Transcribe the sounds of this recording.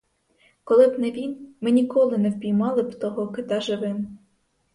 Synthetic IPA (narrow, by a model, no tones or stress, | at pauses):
kɔlˠɪbnɛʋʲinmɪnʲikɔlˠɪnɛwpʲijmɑlˠɪbt̪ɔɦɔkɪt̪ɑʒɪʋɪn